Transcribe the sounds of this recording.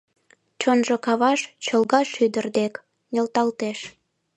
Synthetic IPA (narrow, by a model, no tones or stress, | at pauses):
t͡ɕonʒokɑβɑʃt͡ɕəlɣɑʃyd̪ərd̪ek | nʲelt̪ɑlt̪eʃ